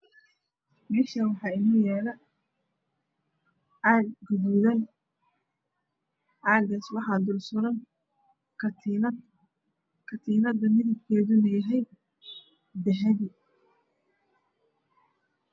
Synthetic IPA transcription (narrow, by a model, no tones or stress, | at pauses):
mɛːʃɐwɑħɑːɪnuːjɛːlɐ | aːɡɡʊðuðɐn | ʔaːɡɐswɑħɑd̪ʊlsʊɾɐn | kʰɐt̪ʰiːnɐd̪ɐmɪðɐb̚kʰɛːðʊnɐjɐɦɛj | d̪ɛħɛði